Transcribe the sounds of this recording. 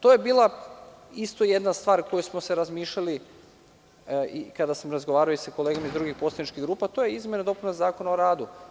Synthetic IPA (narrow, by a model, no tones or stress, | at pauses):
t̪o̞je̞biːlˠa | ist̪ojed̪nast̪ʋaːɾko̞jusmo̞se̞ɾazmiːʃʎali | ikad̪asamɾazɡo̞ʋaːɾaoisako̞leɡomaizd̪ɾuɡixposlˠad̪nit͡ʃkiɣɡɾuːpat̪o̞jeizmjenad̪o̞punozaːko̞naoɾaːd̪u